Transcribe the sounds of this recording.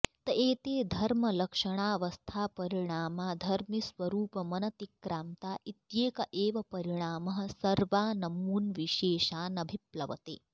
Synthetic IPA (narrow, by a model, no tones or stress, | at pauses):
t̪ɐʔeːt̪eːd̪ʱɐɾmɐlɐkʂɐɽ̃aːʋɐst̪ʰaːpɐɾiɽ̃aːmaːd̪ʱɐɾmisʋɐɾuːpɐmɐnɐt̪ikːɾaːmt̪aːʔit̪jeːkɐʔeːʋɐpɐɾiɽ̃aːmɐɦɐ̆sɐɾʋaːnɐmuːnʋiʃeːʃaːnɐbʱiplɐ̰ʋɐ̰t̪ḛː